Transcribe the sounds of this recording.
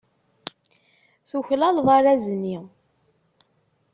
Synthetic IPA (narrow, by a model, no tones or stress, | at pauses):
θuçlɑlðˤaɾæzəni